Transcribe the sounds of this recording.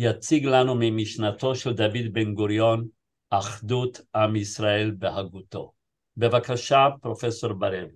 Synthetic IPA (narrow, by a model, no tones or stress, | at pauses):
jat͡siɡlanumimiʃnat̪o̞ʃeld̪avid̪benɡoɾjo̞n | ʔaχdut̪ʔamisʁaelbehaɡut̪o̞ | be̞vakaʃapʁo̞feso̞ɾbaɾev